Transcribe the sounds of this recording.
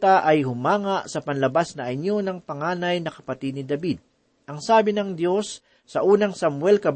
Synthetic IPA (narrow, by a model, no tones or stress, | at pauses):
t̪aʔɐjhʊmaːŋɐʔsɐpɐnlɐbasnɐʔɐɲonɐŋpɐŋaːnɐjnɐkɐpɐt̪id̪̚nɪd̪ɐbid̪̚ | ʔɐŋsaːbɪnɐŋd̪jo̞sː | ɐʔuːnɐŋsɐmwɛlkɐb